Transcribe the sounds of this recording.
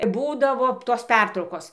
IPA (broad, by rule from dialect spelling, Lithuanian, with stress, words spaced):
ˈbuːdɐʋoː toːs ˈpʲɛrtrɐʊkoːs